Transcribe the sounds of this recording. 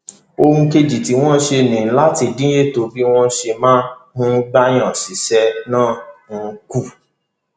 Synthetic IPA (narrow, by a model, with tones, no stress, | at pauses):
o˧hũ˧ke˧d͡ʒi˨ti˨˦w̃ɔ̃˦ʃe˧˨nĩ˨n̩˦la˦ti˧dĩ˦je˦˨to˧bi˦w̃ɔ̃˦ʃe˧mãː˦mũ˦ɡ͡ba˦j̃ã˦˨si˨sɛ˨˦nãː˦˨n̩˧ku˦˨